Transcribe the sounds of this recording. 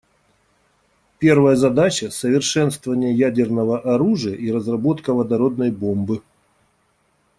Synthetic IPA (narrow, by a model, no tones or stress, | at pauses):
pʲe̞rvəjəzɐd̪at͡ɕəsəvʲɪrʂɛnst̪vəvənʲɪjəjædʲɪrnəvəʔɐɾuʐɨjəʔiɾəzrɐbo̞t̪kəvəd̪ɐɾo̞d̪nəjbo̞mbɨ